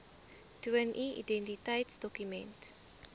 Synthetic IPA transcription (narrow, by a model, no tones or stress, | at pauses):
tənʔiḭdɛntitɐjtsdɔkymɛ̰nt